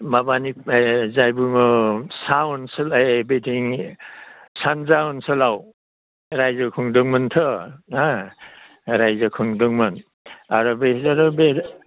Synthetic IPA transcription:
mabanizajbuŋɔsaɔnsɯlabetʰiŋ | sanzaɔnsɯlaw | ɾajzɯkʰɯŋdɯŋmɯntʰɯa | ɾajzɯkʰɯŋdɯŋmɯn | aɾɔbezaɾɔbe

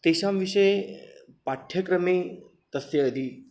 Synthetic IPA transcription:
t̪eɕamʋiɕəe | paʈʰjəkɾəme | t̪əseəd̪ʱi

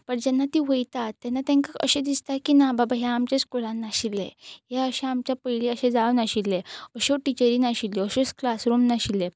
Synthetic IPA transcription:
pəɳd͡ʑɛnːat̪iʋəjt̪at̪ːɛnːat̪ãŋkaə̰ɕẽd̪ist̪akinababaɦjɛamt͡ɕẽt͡skoɭãnːaɕilːeɦɛəɕẽamt͡ɕjapəjliəɕẽd͡zaʋnaɕilːeəɕoʈit͡ɕəɾĩnaɕilːeəɕosklasɾomnaɕile

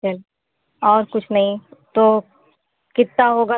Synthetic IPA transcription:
əl | ɔːɾkʊt͡ʃʰnɐɦĩt̪oː | kɪt̪ːaɦoːɡa

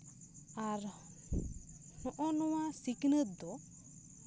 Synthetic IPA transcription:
aɾ | nɔʔɔnɔwasiknət̪̚d̪ɔ

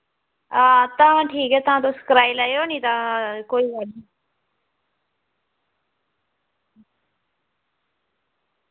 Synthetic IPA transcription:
at̪ãːãːʈʰiːkɛːt̪ʊãːt̪̬õːsə̥kɾaːilaeoːnĩːt̪ãːkoːiːʋaɖiː

